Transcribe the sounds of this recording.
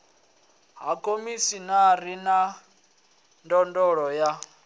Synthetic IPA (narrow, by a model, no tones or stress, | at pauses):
ɦakʰʼomisinaɾina | ndɔndɔɺɔja